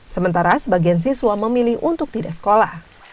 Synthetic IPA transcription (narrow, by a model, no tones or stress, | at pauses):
səmənt̪aɾasəbaɡians̬iswaməmiliɦunt̪ʊk̚t̪idasə̥kolah